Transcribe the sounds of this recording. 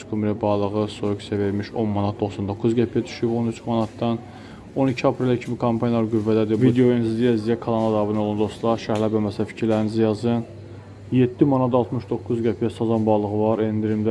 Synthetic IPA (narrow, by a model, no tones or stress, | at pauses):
skʰumiɾɛbɑlˠɯɣɯsojuksæve̞ɾmiʃo̞nmɑnɑt̪̚d̪o̞xsɑnd̪o̞kʰːuzɡæpʰijɛd̪ʰy̥ʃybo̞nyt͡ʃʰmɑnɑt̪̚d̪ɑn | o̞nicʰiɑpʰɾelæcʰimikʰɑmpʰɑnjlˠɑɾɡyvːæd̪æd̪ivid̪eoinzd̪ijæzd̪ijækʰɑlˠɑnlˠɑd̪ɑbɯnolˠund̪o̞st̪lˠɑɾʃæhlæbæmæsæfi̥cʰiɾlæɾinizæjɑzɯn | jed̪̥ːimɑnɑtd̪ɑlˠt̪ʰmɯʃd̪o̞kːuzɡæpʰijæsɑzˠɑnbɑːlˠɯɣɯvɑɾend̪iɾimd̪æ